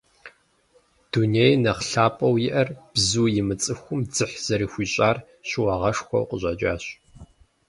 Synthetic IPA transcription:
d̥unejnɐqɬaːpʼɐwjɪʔɐrb̥zuːjɪmɨt͡sʼɨxʷʊmd͡zɨħz̥ɐɾiːxʷiːɕʼaːr | ɕɪwɑʁɐʂxʷɔ̰wqʷʼəʑʷɐd͡ʒʼaːɕ

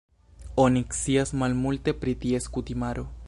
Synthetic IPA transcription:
oniksiasmalmult̪epɾit̪ieskut̪imaɾo

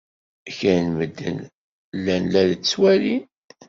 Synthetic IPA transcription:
çænməd̪ːə̰n | lːænlælt͡sːwæli

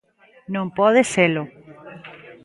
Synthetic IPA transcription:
nõmpoðeselo

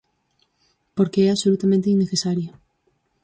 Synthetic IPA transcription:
poɾkeɛaβsolut̪amẽnt̪einːeθesaɾjo

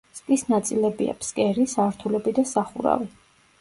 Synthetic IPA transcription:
skʼisnat̪sʼilɛbia̰pʰskʼɛɾisaɾt̪ʰulɛbid̪asaχṵɾa̰vi

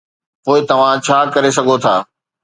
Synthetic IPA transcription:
poːɪt̪ɐʋ̤ãt͡ɕʰaːkɐɾesɐɡʱot̪ʰaː

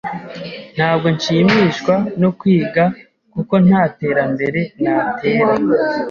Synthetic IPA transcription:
n̥haːb̚ɡo̞nʃiːmiːʃkwanokwiːɡa | kuko̞nhaːte̞ːɾambe̞ɾe̞n̥aːte̞ːɾa

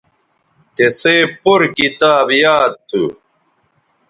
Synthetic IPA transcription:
k̪eseːpuɾkit̪aːbjaːt̪ːṵ

